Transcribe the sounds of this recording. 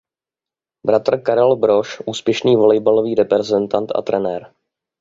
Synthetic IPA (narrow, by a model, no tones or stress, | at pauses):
bɾat̪r̩kaɾɛlbɾoʃʔuːspjɛʃniːvolɛjbaloviːɾɛpɾɛzɛnt̪ant̪ʔa̰t̪ɾɛnɛɾ